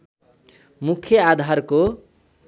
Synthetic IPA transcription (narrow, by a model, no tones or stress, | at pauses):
mukʰjʌad̪ʱarko